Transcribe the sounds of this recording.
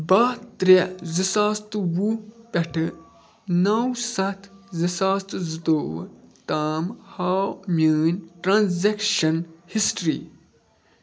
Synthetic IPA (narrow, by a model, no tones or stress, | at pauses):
baːt̪ɾezɨsaːst̪ɨwupʲɐʈʰɨ | nɐwsɐt̪ʰzɨsaːst̪ɨzɨt̪oːwt̪aːmhaːmʲəːnʲʈɾãnzekʃɐnhisʈɾḭː